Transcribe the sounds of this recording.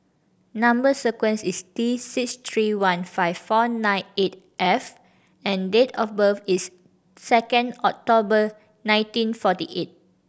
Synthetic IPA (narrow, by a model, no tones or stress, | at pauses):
nãmbəsəkwɛ̃nsistisikst̪ʰɹiwãnfaɪvfɔnãjnet̚ | ʔɛf | ɛ̃ndetʰɔfbəfisː | ɛkə̃ndɔk̚tobə | nãɪ̃ntĩnfɔtiʔet̚